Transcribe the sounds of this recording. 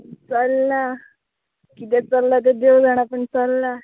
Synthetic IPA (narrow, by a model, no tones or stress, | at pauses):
t͡səlːa | kit̪ɛt͡səlːat̪̬ed̪eʋd͡zaɽ̃apəɳt͡səlːa